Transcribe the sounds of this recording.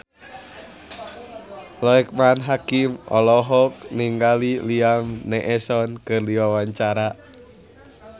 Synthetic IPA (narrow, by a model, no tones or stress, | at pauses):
lɔɛk̚manɦakimɔ̰lɔɦɔk̚niŋɡaliliamnɛʔɛsɔnkɨrdiwawaɲt͡ʃaɾa